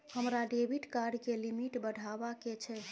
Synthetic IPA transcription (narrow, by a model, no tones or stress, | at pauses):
həmɾaɖebʱiʈkaɖkelimiʈbəɽʱabaket͡ʃʰɛ